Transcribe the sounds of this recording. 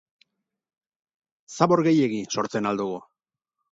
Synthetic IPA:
saβo̞ɾɣe̞je̞ɣiso̞ɾt͡se̞nald̪uɣu

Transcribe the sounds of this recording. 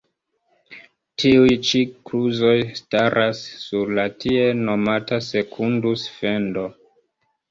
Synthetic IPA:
tʰiujt͡ʃikɾuzo̞jstaɾʔasːuɾlatʰieno̞matase̞kʰundusfe̞ndo̞

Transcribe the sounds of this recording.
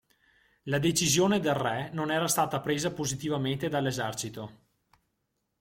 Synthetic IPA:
lad̪et͡ʃizjoːned̪elrɛnonɛːɾast̪aːt̪apɾeːzapozit̪ivament̪ed̪alːezɛrt͡ʃit̪o

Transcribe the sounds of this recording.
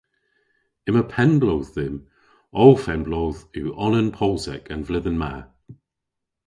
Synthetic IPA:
ɪməpʰɛnblowððɪm | owfɛnblowðʉːʔɔnənpʰɔlˠtɛkʰə̃nvlɪðənma̰

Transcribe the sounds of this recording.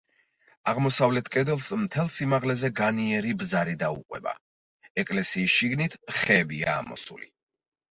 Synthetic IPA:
aʁmɔsavlɛt̪ʰkʼɛd̪ɛlˠsmt̪ʰɛlˠsimaʁlɛzɛɡaniɛɾibzaɾid̪aṵqʼwɛ̰ba̰ | ɛkʼlɛsiːsʃiɡnit̪ʰχɛːbia̰ːmɔ̰sṵli

